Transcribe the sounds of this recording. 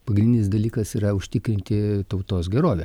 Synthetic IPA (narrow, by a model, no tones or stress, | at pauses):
pɐɡɾʲɪnʲdʲɪnʲɪsd̪ɐlʲiːkɐsiːɾɐʊʃʲt̪ʲɪkɾʲɪnʲt̪ʲɪt̪ɐʊt̪oːsɡʲɛɾoːʋʲɛ